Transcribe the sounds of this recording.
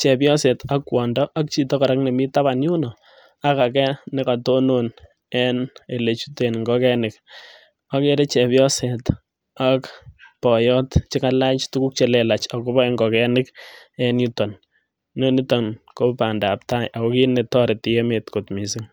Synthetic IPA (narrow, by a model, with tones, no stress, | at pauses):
t͡ʃɛ˨pjɔ˦se˨ta˦kwɔː˨ndɔ˦ʔa˦k̚t͡ʃi˦tɔ˦ka˨ɾa˦kne˨mi˦taβanju˦nɔ˨ | a˦ka˨kɛ˦nɪ˦ka˨to˦non | ɛ˦ne˨le˨t͡ʃu˦te˨nŋɡɔkɛ˦nɪk̚ | a˦ke˦ɾe˦t͡ʃɛ˨pjɔ˦set | akpɔ˨jɔ˦tt͡ʃɪ˦ka˦la˦t͡ʃtu˦ku˦k̚t͡ʃe˨le˨la˨t͡ʃako˦βɔ˦e˦ŋɡɔ˨kɛnɪ˦kɛ˦nju˦tɔ˨n | no˦ni˦tɔ˨nkopa˨ndap̚ta˦jʔa˨kɔ˦ki˦ne˨tɔ˦ɾɪ˨ti˨je˦me˨tko˨tmi˨sɪ˦ŋ